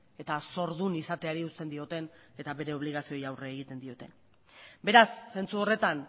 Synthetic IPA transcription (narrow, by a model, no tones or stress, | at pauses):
e̞t̪aso̞ɾðunisat̪e̞aɾiust̪e̞nd̪io̞t̪e̞ne̞t̪aβe̞ɾe̞o̞βliɣ̞asio̞jawreeɣ̞it̪e̞nd̪io̞t̪e̞n | be̞ɾasːe̞nt͡suo̞re̞t̪an